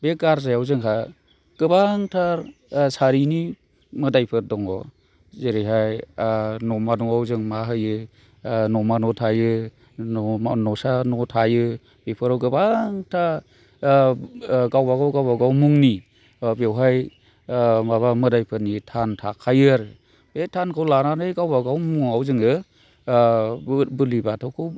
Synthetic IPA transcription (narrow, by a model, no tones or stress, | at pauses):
beɡaɾzajawzɯŋkʰa | ɡ̥ɯbaŋtʰaɾ | saɾini | mɯdajpʰɯdɔŋɔ | zeɾiɦaj | nɔmadɔŋawzɯŋmaɦɯjɯ | nɔmanɔtʰajɯ | nɔsanɔtʰajɯ | b̥ipʰɯɾawɡɯbaŋtʰa | ɡawbaɡawɡawbaɡawmuŋni | bewɦaj | maβamɯdajpʰɯnitʰantʰakʰajɯɾ | betʰankʰawlananɯjɡawbaɡawmuŋawzɯŋɯ | bɯlibatʰawkʰɯw